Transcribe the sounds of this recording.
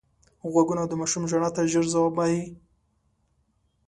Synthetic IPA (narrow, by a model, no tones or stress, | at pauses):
ɣwaɡunad̪əmaʃumʒaɳat̪aʒəɾzawɑbaji